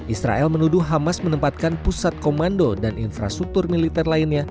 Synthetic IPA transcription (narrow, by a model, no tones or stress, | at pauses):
ʔisɾa̰ʔɛlmənuduɦamasmənəmpat̪̚kanpusat̪̚komandodaninfɾa̰st̪ɾuk̚t̪ʊrmilit̪ɛrlainɲa